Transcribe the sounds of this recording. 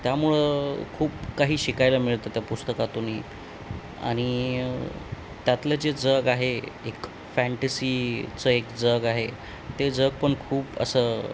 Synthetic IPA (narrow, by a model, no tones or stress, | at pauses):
t̪jamuɭəkʰuːpkaɦiːɕikajlamiɭt̪ət̪japust̪əkat̪onḭː | a̰ɽ̃i | t̪jat̪led͡ʑed͡zəɡaɦeek | fæɳʈesiːt͡səekd͡zəɡaɦe | t̪ed͡zəɡ̚pəɳkʰuːpə̰səː